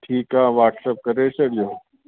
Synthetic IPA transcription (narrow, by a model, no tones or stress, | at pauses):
ʈʰiːkaːʋaːʈsɐp̚kɐɾẽːsɐɽjoː